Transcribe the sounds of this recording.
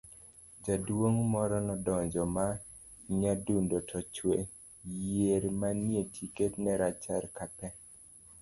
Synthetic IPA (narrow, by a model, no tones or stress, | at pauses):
d͡ʒadwoŋmɔɾɔnɔdɔɲd͡ʒɔma | ɲadundotʰɔt͡ʃwe | jeɾmanjetʰiketnɛɾat͡ʃaɾkapɛ